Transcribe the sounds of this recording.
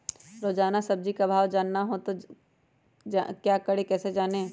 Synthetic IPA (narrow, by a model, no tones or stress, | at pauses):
ɾoːd͡ʒaːnasɐb̚d͡ʒikabʱaːʋd͡ʒaːnːaɦot̪o | d͡ʒakjaːkɐɽekɛːsed͡ʒaːneː